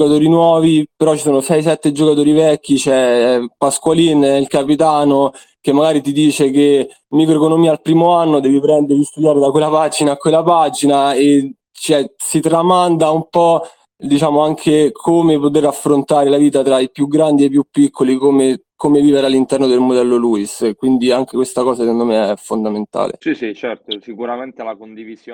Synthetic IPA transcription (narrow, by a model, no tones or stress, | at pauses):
kat̪oːɾinwɔːvipeɾɔt͡ʃːi̥soːnosɛjs̬ɛt̪ːed͡ʒokat̪oːɾivɛkːit͡ʃɛpaskwalinilkapit̪aːno | kemːaɡaːɾit̪id̪iːt͡ʃeke | mikɾoekonomiːaːlpɾiːmoanːod̪ɛːvipɾɛnd̪eɾist̪ud̪jaːɾed̪akwelːapad͡ʒinaːkːwelːapad͡ʒinae | t͡ʃɛsit̪ɾamand̪aumpɔ | d̪it͡ʃaːmoaŋkʰekʰomepot̪eɾafːɾont̪aːɾelaviːt̪at̪ɾaipjuɡɾand̪iepːjupːikːolikomekomeviːveɾalːint̪ɛrnod̪elmod̪ɛlːoluiskwind̪iaŋk̟ekwest̪akɔːzasikond̪omeɛfːond̪ament̪a̰ːlḛsisit͡ʃɛrt̪osikuɾament̪elakond̪ivizj